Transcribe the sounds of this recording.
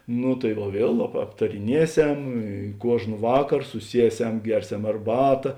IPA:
ˈnʊ tɐɪ ʋɐ ˈʋʲiɛlˠ ɐp ɐptɐrʲɪˈnʲiɛˌsʲɛm ɪ ˈkuɔʒn ˈʋɑːkɐr sʊˈsʲiɛˌsʲɛm ˈɡʲɛrʲˌsʲɛm ɐrˈbɑːtɐ

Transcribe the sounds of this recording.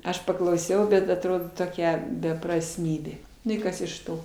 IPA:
ˈɐʃ pɐklˠɐʊˈsʲɛʊ bʲɛt ɐtˈroːdoː toːˈkʲɛ bʲɛprɐsʲˈmʲiːbʲeː ˈnʊ ɪ ˈkɐs ɪʃ ˈtoː

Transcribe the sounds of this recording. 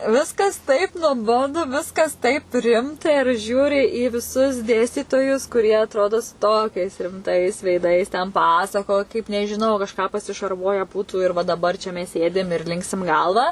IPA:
ˈʋʲɪskɐs tɐɪp nuɔˈboːdʊ ˈʋʲɪskɐs tɐɪp ˈrʲɪmtɐ ɪr ˈʒʲuːrʲɪ iː ʋʲɪˈsʊs ˈdʲeːsʲtʲiːtoːjʊs kʊˈrʲiɛ ɐtˈroːdoː sʊ ˈtoːkʲɛɪs rʲɪmˈtɐɪs ʋʲɛɪˈdɐɪs tʲɛn ˈpɑːsɐkoːj kɐɪp nʲɛʒʲɪˈnɐʊ kɐʃˈkɑː pɐsʲɪʃɐrˈʋuɔjɛ ˈbuːtʊ ɪr ʋɐ dɐˈbɐr t͡ʃʲɛ ˈmʲɛs ˈsʲeːdʲɪm ɪr ˈlʲɪŋksʲɪm ˈɡɐlˠʋɐ

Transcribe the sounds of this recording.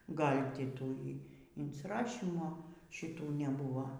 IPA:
ˈɡɐlʲ ˈtʲɪ ˈtuː iː ɪnʲsʲɪˈrɑːʃʲiːmoː ʃʲɪˈtuː nʲɛˈbuːʋoː

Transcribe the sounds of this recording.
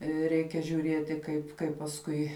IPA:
ˈrʲɛɪkʲɛ ʒʲʊˈrʲiɛtʲɪ ˈkɐɪp ˈkɐɪp pɐsˈkʊɪ

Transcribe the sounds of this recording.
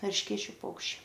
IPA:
ɛrʲʃʲˈkʲeːt͡ʃʲʊ ˈpɐʊkʃʲt͡ʃʲɛɪ

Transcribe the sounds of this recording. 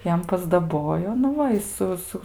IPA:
ˈjɛm pɐzdɐˈboːjoː nʊ ˈʋɐ ɪ ˈsʊ ˈsʊ

